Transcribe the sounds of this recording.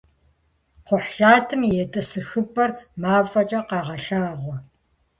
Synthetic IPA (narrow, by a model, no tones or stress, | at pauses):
qʷʊħɬaːtʰɨmjɛtʼɐsɨxɨbʼɐrmaːvɐt͡ʃʼɐqɑːʁɐɬaːʁʷɔ